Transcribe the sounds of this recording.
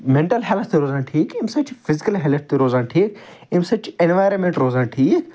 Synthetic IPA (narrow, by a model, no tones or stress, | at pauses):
mẽɳʈɐlɦelt̪t̪iɾoːzãːnʈʰiːkimsɐt͡ʃfɪzikɐlɦelt̚ʰt̪iɾoːzãːnʈʰiːk | imsɐt͡ʃenʋaːjɾɐnmẽɳʈɾoːzãnʈʰiːk